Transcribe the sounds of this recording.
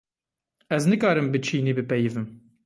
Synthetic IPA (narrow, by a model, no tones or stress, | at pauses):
ɛznɨkɑːɾɨmbɨt͡ʃʰiːneːbɨpɛjɪvɨm